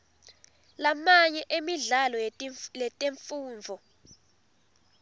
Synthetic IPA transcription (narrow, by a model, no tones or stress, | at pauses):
lamaɲɛʔemiɮalɔjɛtʼeɱfuːɱvʱɔ